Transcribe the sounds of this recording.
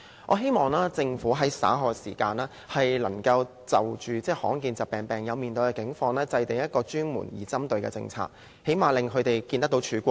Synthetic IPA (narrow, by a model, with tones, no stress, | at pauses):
ʔɔ̰ː˨˧ɦe˥jmɔː˨˩ŋlaː˥t͡sɪ˧ŋfuː˨˥ɦɐ˨˥jsa̰ː˨˥ɦɔː˨˧ksiː˨˩kaː˧naː˥ | hɐ˨jlɐ˨˩ŋkɐ˧w | t͡sɐ˨wt͡ʃyː˨t͡sɛː˥hɔ̰ː˨˥ŋkiː˧nt͡sɐ˨p̚pɛː˨ŋpɛː˨ŋjɐ˨˧wmiː˨nt̪ɵ˧ɥkɛː˧kɪ˨˥ŋfɔː˧ŋlɛː˥t͡sɐ˧jt̪ɪ˨ŋjɐ˥t̚kɔː˧t͡ʃyː˥nmṵː˨˩njiː˨˩t͡sɐ˥mt̪ɵ˨ɥkɛ̰˧t͡sɪ̰˧ŋt͡sʰa̰ː˧˩k̚ | he˨˥jmaː˨lɪ˨ŋkʰɵ˨˧ɥt̪e˨jkiː˧nt̪ɐ˥kt̪o˨˧wt͡ʃʰyː˨˧˥kʷɔː˧